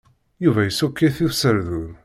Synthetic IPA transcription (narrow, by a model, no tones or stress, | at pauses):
juvæjəsukːiθiθsəɾðuð